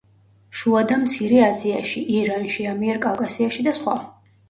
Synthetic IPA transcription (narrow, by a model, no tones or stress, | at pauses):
ʃuad̪amt̪sʰiɾɛaziaʃiʔiɾanʃiamiɛɾkʼawkʼasiaʃid̪asχwa̰